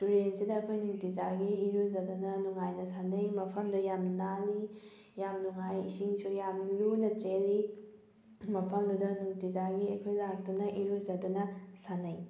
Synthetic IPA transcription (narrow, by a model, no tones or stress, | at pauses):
tuɾensidɐːkʰojnuŋtizaɡiːɾuzɐdunɐnuŋajnɐsanɐjmɐpʰɐmdɐjamnali | jamnuŋajḭsiŋsujamlunɐt͡ʃeli | mɐpʰɐmdudɐnuŋtizaɡiɐkʰojlak̚tunɐʔiɾuzɐdunɐsanɐj